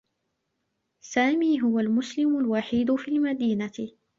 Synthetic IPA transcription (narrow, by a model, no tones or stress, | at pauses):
saːmiːɦʊwalmʊslɪmʊlwaħiːd̪ʊfiːlmad̪iːnaɪ